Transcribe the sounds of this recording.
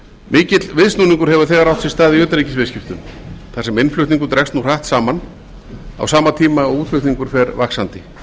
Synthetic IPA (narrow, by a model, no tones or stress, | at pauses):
mɪːcɪt̪lvɪðsnuːniŋkʏɾhɦɛvʏɾ̥θɛːɣaɾawht̪sɛst̪aːðɪœːt̪aɾiːcɪsvɛscɪft̪ʏmθasɛmɪnflʏɥt̪niŋkʏt̪ɾɛkst̪nur̥aht̪saːman | a̰wsaːmat̪ʰiːmaɔɣuːt̪flʏht̪niŋkʏɾ̥fɛɾvaksant̪ɪ